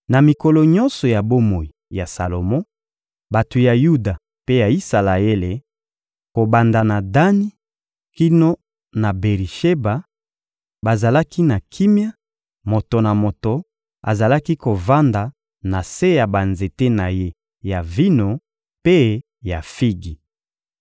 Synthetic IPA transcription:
na˨mi˨ko˨lɔ˨ɲɔ̃˦nsɔ˨ja˨bo˦mo˨i˨ja˨sa˨lo˨mɔ˦ | ba˨to˨ja˨ju˦da˨ | pe˦ja˨i˦sa˨la˨e˦le˨ | ko˨ba˨nda˨na˨da˦ni˦ | ki˦no˦ | na˨be˨ʁi˨ʃe˦ba˨ | ba˨za˨la˦ki˦na˨kʰi˦mja˦ | mo˨to˨na˨mo˨to˨ | a̰˨za˨la˦ki˦ko˨va˦nda˨ | na˨se˦ja˨ba˨nze˨te˦na˨je˦ | ja˨vi˦no˨ | pe˦ | ja˨fi˦ɡi˨

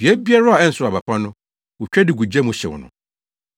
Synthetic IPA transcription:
bi˨ɛ˦bi˦a˦ɾa˦a˨ɛ˦n̩˨sʊ˦a˨pa˨pʰa˦nʊ̃˦ | wʊ˨t͡ɕᶣɛ˦dɪ˨ɡu˨d͡ʑɛ̃˦mʊ̃˨ɕɛ˨wɔ̰˨nʊ̰̃˨

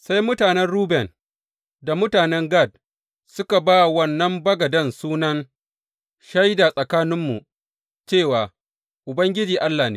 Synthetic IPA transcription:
sa˦jmʊ˦taː˨nɛ˦nɽuː˦bɛ˨n | da˨mʊ˦taː˨nɛ˦ŋɡa˦˨d̚ | sʊ˦ka˨baː˦˨wɐ˦nːɐ˦mbɐ˦ɡɐ˨dɐ˦nsuː˦nɐ˦ŋ | ʃa˦jda˨sʼɐ˨kaː˦nɪ˦mːṵ˨ | t͡ʃeː˦˨waː˨ | ʔʊ˨bɐ˦ŋɡʲɪ˦d͡ʒiː˨ʔa˦lːaː˨nḛː˦

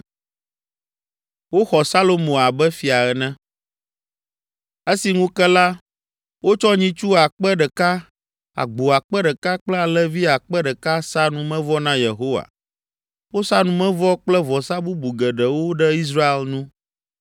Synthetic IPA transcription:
wo˦xɔ˨sa˦lo˨mõ˨a˨bɛ˦fi˨a˨ɛ˨nɛ̃˦ | e˦si˨ŋũ˦kɛ˦la˦ | wo˦t͡ʃɔ˦ɲĩ˦t͡ʃu˦a˨k͡pɛ˦ɖɛ˨ka˦ | a̰˨ɡ͡bo˨a˨k͡pɛ˦ɖɛ˨ka˦k͡plɛ˦a˨lɛ˦vi˦a˨k͡pɛ˦ɖɛ˨ka˦sa˦nũ˦mɛ̃˦vɔ˦nã˦je˨ɦo˦wa̰˨ | wo˦sa˦nũ˨˦mɛ̃˦vɔ˦k͡plɛ˦vɔ˨sa˦bu˦bu˨ɡɛ˨ɖɛ˨wo˦ɖɛ˦i˦s̬ɾa˦e˨lnũ˦

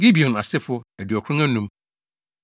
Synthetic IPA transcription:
ɡi˦bi˨ɔ̃˨na˨sɪ˦fʊ˦æ˨di˨ɔ˨kʰũ˦æ̃˦nũ˦m

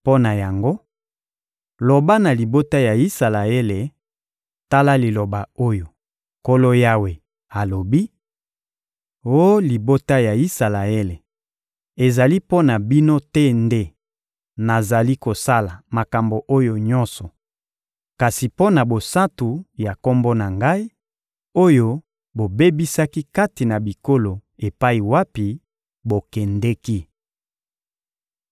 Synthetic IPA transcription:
po˦na˨ja˨ŋɡo˦ | lo˨ba˦na˨li˨bo˦ta˦ja˨i˦sa˨la˨e˦le˨ | ta˦la˦li˨lo˨ba˨o˦jo˨ | ko˦lo˦ja˦we˨ | a˨lo˨bi˦ | o˦li˨bo˦ta˦ja˨i˦sa˨la˨e˦le˨ | e˨za˨li˦po˦na˨bi˦no˦tɛ˦nde˦ | na˨za˨li˦ko˨sa˦la˨ma˨ka˨mbo˨ʔo˦jo˦ɲɔ˦nsɔ˨ | ka˨si˨po˦na˨bo˨sa˦tu˨ja˨ko˦mbo˦na˨ŋɡa˦i˦ | o˦jo˦ | bo˨be˦bi˦sa˦ki˦ka˦ti˨na˨bi˨ko˦lo˨e˨pa˦i˨wa˦pi˨ | bo˨kɛ˨ndɛ˦ki˦

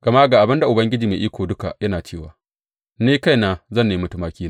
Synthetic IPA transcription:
ɡ̥ɐ˨ma˦ʔɡaː˨ʔa˨bɪ˦nda˨ʔʊ˨bɐ˦ŋɡʲɪ˦d͡ʒiː˨meː˨ʔiː˦kʷoː˨dʊ˦ka̰˨jɐ˦naː˨t͡ʃeː˦˨wa̰ː˨ | neː˦ka˦jnaː˨zɐ˦˨nːeː˨mʊ˦tʊ˦maː˦kʲiː˦na˦˨

